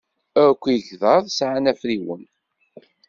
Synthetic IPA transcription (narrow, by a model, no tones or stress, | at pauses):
æɾkʷːjçðɑðˤsʕanæfɾiwə̰n